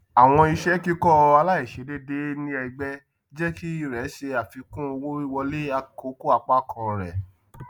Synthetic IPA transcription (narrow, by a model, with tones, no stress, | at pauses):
a˨w̃ɔ̃˧i˧ʃɛ˦ki˦kɔ˦˧a˧la˦i˦˨ʃe˨˦de˦de˦nĩ˦ɛ˧ɡ͡bɛ˦ | d͡ʒɛ˦ki˦i˦ɾɛ˨˦ʃe˧a˨fi˧kũ˦o˧wõ˦ɾi˦wɔ˧le˦a˧ko˦ko˦a˧˨k͡pa˦kʰã˧ɾɛ̰˨